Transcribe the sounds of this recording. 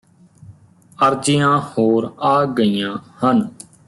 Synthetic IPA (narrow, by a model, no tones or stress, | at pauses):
əɾd͡ʒɪjãːhoːɾaːɡəijãːhən